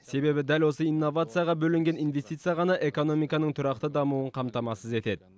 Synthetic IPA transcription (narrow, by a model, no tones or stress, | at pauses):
se̞be̞bɪd̪ælwo̞səinːo̞vat̪sɨjaʁɑbɵlɪŋɡʲe̞ninve̞st̪ijt̪sɨjaʁɑnɑʔe̞ko̞no̞mijkɑnəɴt̪ʰʊɾɑq̚t̪əd̪ɑmuəɴqʰɑmt̪ɑmɑsəze̞t̪e̞d̪ɪ